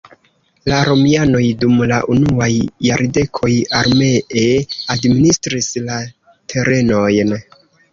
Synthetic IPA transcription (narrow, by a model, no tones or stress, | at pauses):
laɾo̞miano̞jdumlaʔunuajːaɾde̞kʰo̞jaɾme̞eadministɾisla | tʰe̞ɾe̞no̞jn